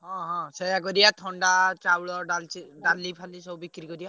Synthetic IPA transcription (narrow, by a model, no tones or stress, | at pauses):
ɦɔ̃ɦɔ̃sɔjakɔɾijat̪ʰɔɳɖat͡ʃawɭɔɖaliɖalːipʰalisɔbbikɾikɔɾija